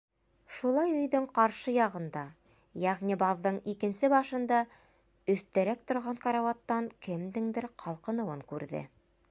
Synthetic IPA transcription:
ʃulˠɑjɵ̆jðɵɴqɑɾʃɤjɑʁɤ̆nd̪ɑ | jæʁnʲibɑðːɤɴikɘ̆nsɘbɑʃɤ̆nd̪ɑ | ɵ̆θt̪æɾæk̚t̪ŏɾʁɑŋkɑɾɑwɑt̪ːɑŋkɘ̆md̪ɘŋd̪ɘɾqʰɑlˠqɤ̆nɤ̆wɤŋkʉɾðɘ̰

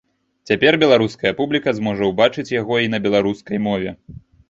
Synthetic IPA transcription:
t͡sʲapʲɛrbʲɛlˠaɾuskɐjɐpublʲikɐzmɔʐɐwbat͡ʂɨt͡sʲjaɣɔinɐbʲɛlˠaɾuskɐjmɔvʲɛ

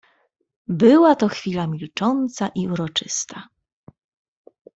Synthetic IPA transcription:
bɘwat̪ɔxfʲilamʲilt͡ʂɔnt̪saʔiuɾɔt͡ʂɘst̪a

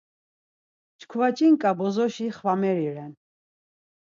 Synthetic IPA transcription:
t͡ʃkʰvat͡ʃʼiŋkʼabɔzɔʃiχvamɛɾiɾɛn

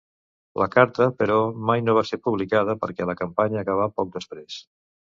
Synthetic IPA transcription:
lʔəkaɾt̪əpəɾɔmajnoβ̞asepuβlikað̞əpəɾkɛləkəmpaɲəːkəβ̞apɔk̚d̪əspɾes

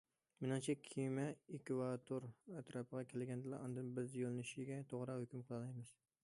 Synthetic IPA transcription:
mɪnɪŋt͡ʃʰɛkʲʰimɛɪkʲvɑt̪ʰoɾæt̪ɾɑpɨʁɑkʲʰelɪɡʲɛnd̪ɪlˠɑ̰ɑnd̪ɨnbɪzjolˠnɪʃɪɡʲɛt̪ʰoʁɾɑhʊkʲymqʰəlˠɨnɑjmɨz̥

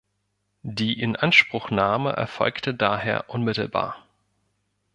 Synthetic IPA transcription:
diːʔɪnʔanʃpʁ̥ʊxnaːməʔɛ̰ɐfɔ̰lktədaːɦeːɐʔʊnmɪtl̩ba̰ːɐ

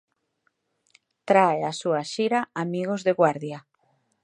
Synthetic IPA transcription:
t̪ɾaeasuaʃiɾaamiɣozðeɣwaɾðja

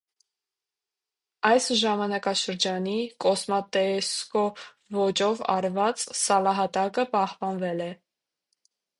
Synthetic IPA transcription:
ɑjsʒɑmɑnɑkɑʃəɾd͡ʒɑnikɔsmɑt̪ɛskɔ | vɔt͡ʃɔvɑ̰ɾvɑt͡ssɑlɑɦɑt̪ɑkəpɑhpɑnvɛlɛ

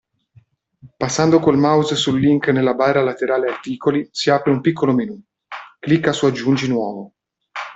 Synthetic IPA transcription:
pasːand̪okolmawzsulːiŋknelːabaralat̪eɾaːleat̪iːkolisiaːpɾeumpikʰːolominuː | klikːasuad͡ʒːund͡ʒinwɔːvo

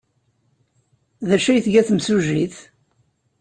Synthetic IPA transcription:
ðæʃæjθʝæθəmsuʒiθ

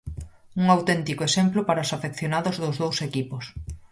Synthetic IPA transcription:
uŋawt̪ɛnt̪ikoesemplʊpaɾaosafekθjonaðʊzðʊzðowsekipʊs

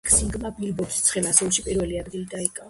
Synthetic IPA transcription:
kʰsiŋɡmabilbɔɾd̪ist̪sʰχɛlasulˠʃipʼiɾvɛliad̪ɡilid̪aikʼav

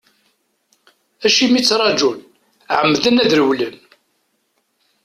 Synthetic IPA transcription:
æʃimit͡sːɾˤɑd͡ʒun | ʕəmːðənæðɾəwlən

